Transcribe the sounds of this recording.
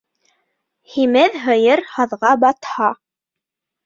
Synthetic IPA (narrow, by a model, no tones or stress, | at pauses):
himɘðɦɤ̆jɤɾhɑðʁɑbɑt̪hɑ